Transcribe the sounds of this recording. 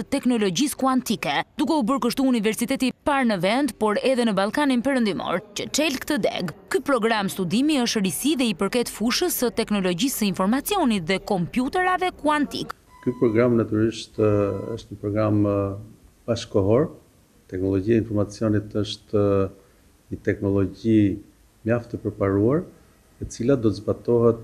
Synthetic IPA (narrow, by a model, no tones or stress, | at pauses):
ət̪ɛknɔlɔɟiskuant̪ikɛd̪ukɛubəɾkəʃt̪uːnivɛɾsit̪ɛt̪ipaɾnəvɛnd̪pɔɾɛðɛnəbalˠkaninpɛɾənd̪imɔ̰ɾcət͡ʃɛlkət̪əd̪ɛ̰ɡkypɾɔɡɾamst̪ud̪imiəʃt̪ɾisiðɛipəɾkɛt̪fuʃəsət̪ɛknɔlɔɟisəinfɔɾmat͡siɔnit̪ðɛkɔmpjut̪ɛɾavɛkuant̪ḭk | kypɾɔɡɾamnat̪yɾiʃt̪ə̰ʃt̪ɲəpɾɔɡɾam | b̥aʃkɔɦɔɾ | t̪ɛknɔlˠɔɟiainfɔɾmat͡siɔnit̪əʃt̪ | ɲət̪ɛknɔlˠɔɟi | mjaft̪əpəɾpaɾuaɾ | ɛt͡silad̪ɔt̪əzbat̪ɔɦɛt̪̚